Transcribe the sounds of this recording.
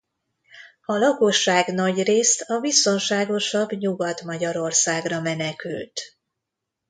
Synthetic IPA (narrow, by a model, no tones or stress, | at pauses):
ɒlɒko̞ʃːaːɡnɒɟreːst̪ɒbiso̞nʃaːɡo̞ʃɒbɲuɡɒt̪mɒɟɒɾo̞rsaːɡrɒmɛnɛkylt̪